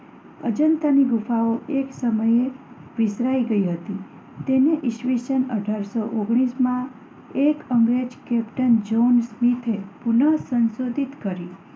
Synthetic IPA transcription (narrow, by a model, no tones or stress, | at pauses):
əd͡ʒənt̪aniɡufaoʔeksəməje | ʋɪsɾaiɡəiɦət̪i | t̪eneʔiʃʋisənəʈaɾsoʔoɡɽ̃ismã | ekəŋɡɾed͡ʒkɛpʈənd͡ʒonsmit̪ʰepunəsənsod̪ʱit̪kəɾi